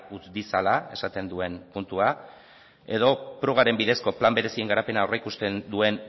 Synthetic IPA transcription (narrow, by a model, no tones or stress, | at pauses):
ut͡sd̪isalae̞sat̪e̞nd̪ue̞npunt̪ua | e̞ðo̞pɾo̞ɣ̞aɾe̞mbiðe̞sko̞plambe̞ɾe̞sie̞ŋɡaɾape̞naoraikust̪e̞nd̪ue̞n